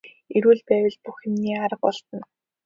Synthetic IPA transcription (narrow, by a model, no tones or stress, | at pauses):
eɾuːɮpæːwə̆ɮpuxemniːaɾə̆q̚ɔɮt̪ə̆n